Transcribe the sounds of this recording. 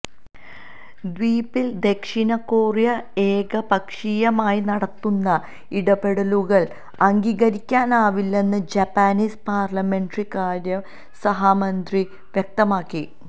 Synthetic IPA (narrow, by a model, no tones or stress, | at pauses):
d̪ʋiːpːild̪e̞kʂinɐkːoːrjɐe̞ːɡɐbɐkʂijɐmaːjinɐɽɐt̪ːunːɐ | iɽɐbe̞ɽɐluɣɐɭ | ɐŋɡiːɣɐɾikʲːaːnaːʋilːe̞nːɨd͡ʑɐpːaːniːspaːrlɐme̞ɳɖrikaːɾjɐm | sɐɦaːmɐnd̪ri | ʋjek̚t̪ɐmaːkːi